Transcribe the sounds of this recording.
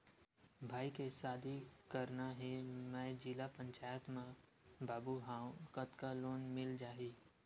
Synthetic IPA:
bʱaːikesaːd̪ʱikəɾnaɦemɛ̃ːd͡ʒilapə̃ɲt͡ʃaːjət̪mã | bʱaːbuɦaːũkət̪kaloːnmɪld͡ʒaːɦiː

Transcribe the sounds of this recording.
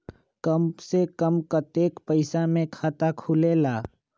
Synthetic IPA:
kəmsekəmkət̪eːkpəɪsamẽkʰaːt̪akʰulelaː

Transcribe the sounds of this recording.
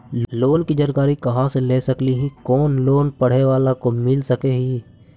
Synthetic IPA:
loːnkid͡ʒəɾkaːɾikɐɦãseleːsɐkliɦĩkɔːnloːnpɐɽ̤eʋaːlakomɪlsəkeɦiː

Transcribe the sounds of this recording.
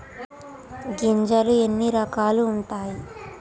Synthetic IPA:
ɡiɲd͡ʒɐluenːiɾɐkaːluːɳʈaːji

